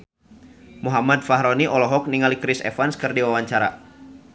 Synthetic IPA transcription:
muɦamad̪̚faɦɾoniʔɔlɔɦɔk̚niŋalikɾɪsɛ̰fanskɨrdiwawaɲt͡ʃaɾa̰

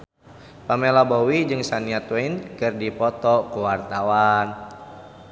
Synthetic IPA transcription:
pamelabowid͡ʒɨŋsaniat̪winkɨrdipɔt̪ɔkuwart̪awan

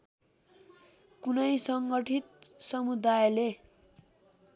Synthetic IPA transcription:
kunʌjsʌŋɡʌʈʰit̪̚sʌmud̪ajle

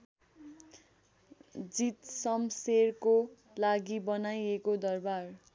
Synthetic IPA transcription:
d͡zit̪sʌmserko | laɡibʌnajekod̪ʌrbar

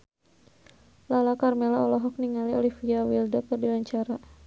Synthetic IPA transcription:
lalakarmɛlaɔlɔɦɔk̚niŋaliɔlifiawildɔkərdilaɲt͡ʃaɾa

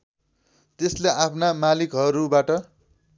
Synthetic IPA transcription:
t̪esleʔapʰnamalikɦʌɾubaʈʌ

